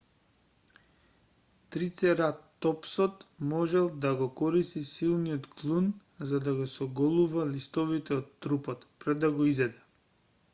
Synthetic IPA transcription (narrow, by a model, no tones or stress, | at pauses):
t̪ɾit̪sɛɾat̪ːɔpsɔt̪mɔʒɛlˠd̪aɡɔkɔɾist̪isilˠnijɔt̪klˠun | zad̪aɡɔsɔɡɔlˠuvalist̪ɔvit̪ɛɔt̪ːɾupɔt̪pɾɛd̪ːaɡɔizɛd̪ɛ